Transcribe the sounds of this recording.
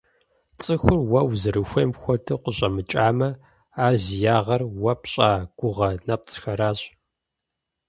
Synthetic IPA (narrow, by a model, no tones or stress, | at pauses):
t͡sʼɨxʷʊrwɐwzɨɾɨxʷɐmxʷɔdʰɨqʷʊɕʼɐmɨt͡ʃʼaːmɐ | aːrzijaːʁɐrwɐpɕʼaːɡ̥ʷʊʁɐnɐp̚t͡sʰʼxɐɾaːɕ